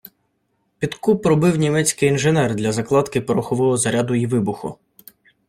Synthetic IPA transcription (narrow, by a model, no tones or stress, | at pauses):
pʲit̪kupːɾɔbɪwnʲimɛt͡sʲkɪjinʒenɛrd̪lʲɐzɐklˠɑt̪kɪpɔɾɔxɔʋɔɦɔzɐɾʲad̪ʊiʋɪbʊxʊ̰